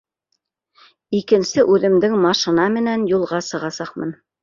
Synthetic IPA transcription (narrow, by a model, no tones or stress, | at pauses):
ikɘ̆nsɘʔʉðɘ̆md̪ɘŋmɑʃɤ̆nɑmɘ̆nænjulˠʁɑsɤ̆ʁɑsɑqmɤ̰n